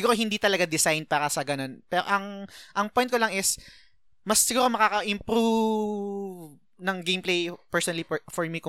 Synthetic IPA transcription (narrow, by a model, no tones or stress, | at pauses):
ɡuːɾoɦɪnd̪iːt̪ɐlɐɡad̪ɪsajnpaːɾɐsɐɡɐno̞npɛːɾoʔɐŋʔɐŋpɔjnt̪̚kolɐŋɪs | mɐsːɪɡuːɾo̞mɐkaːkɐʔɪmpɾu | v | nɐŋɡejmplejpɛɹsɔnɐlifɔɹmikʊ